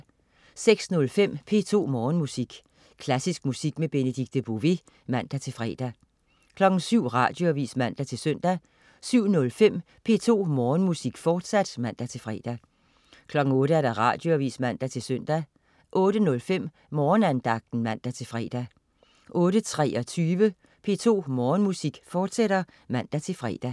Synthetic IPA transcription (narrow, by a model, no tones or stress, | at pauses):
seɡ̥snɔ̽lfem̰pʰe̝̰ːt͡sʰo̝̰ːmɒːnmusiɡ̥ | kʰlæsisɡ̥musiɡ̥meb̥e̝nəd̥iɡ̥̚d̥əb̥oʋe | mæn̰d̥æt͡sʰe̝lfʁɛ̰ːd̥æ | kʰlɒ̽ɡ̥n̩syʊ̰ʁɑ̰̈ːd̥jo̝æʋḭːsmæn̰d̥æt͡sʰe̝lsœn̰d̥æ | syʊ̰nɔ̽lfem̰ | pʰe̝̰ːt͡sʰo̝̰ːmɒːnmusiɡ̥fɒːd̥sæd̥mæn̰d̥æt͡sʰe̝lfʁɛ̰ːd̥æ | kʰlɒ̽ɡ̥ŋ̩ɔ̽ːɾəæɐd̥ɑʁɑ̈d̥joæʋḭːsmæn̰d̥æt͡sʰe̝lsøn̰d̥æ | ʔɔ̽ːɾ̥ənɔ̽lfem̰ | mɒːnænd̥ɑ̈ɡ̥̚d̥n̩mæn̰d̥æt͡sʰe̝lfʁɛ̰ːd̥æ | ʔɔ̽ːɾ̥ət͡sʰʁɛ̰ːɒ̽t͡sʰyːʋə | pʰe̝̰ːt͡sʰo̝̰ːmɒːnmusiɡ̥fɒːd̥seɾ̥ɐ | mæn̰d̥æt͡sʰe̝lfʁɛ̰ːd̥æ